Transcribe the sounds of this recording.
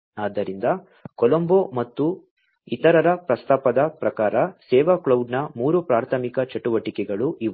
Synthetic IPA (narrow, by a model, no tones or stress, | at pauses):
aːd̪ɐɾind̪ɐ | kɔlɐmboːmɐt̪ːu | it̪ɐɾɐɾɐpɾɐst̪aːpɐd̪ɐpɾɐkaːɾɐsɛːʋakɭɐwɖnɐmuːɾupɾaːɾt̪ʰɐmikɐt͡ʃɐʈuʋɐʈikɛɡɐɭuʔiʋ